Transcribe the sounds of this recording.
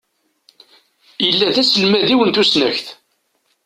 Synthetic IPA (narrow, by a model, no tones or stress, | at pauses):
jəlːæðæsəlmæðiwənt̪usnæçθ